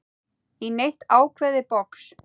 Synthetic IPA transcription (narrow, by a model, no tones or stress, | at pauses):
inejht̪aːwkʰvɛðɪpɔks